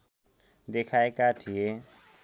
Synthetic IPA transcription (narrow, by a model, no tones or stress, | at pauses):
d̪ekʰaekaʈʰije